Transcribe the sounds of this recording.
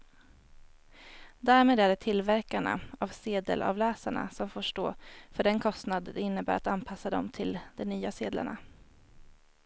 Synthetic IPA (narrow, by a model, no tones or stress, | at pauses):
d̪æːɾmeːd̪æɖɛʈ̪ʰɪlvæɾkaɳa̰avseːd̪ə̰lʔa̰vlɛːsaɳa̰sɔmfoːʂʈoːfœɖɛnkʰɔst̪nad̪ɛɪnːəbæːɾat̪anpʰasːad̪ɔmt̪ʰɪld̪ɛnyːaseːd̪la̰ɳa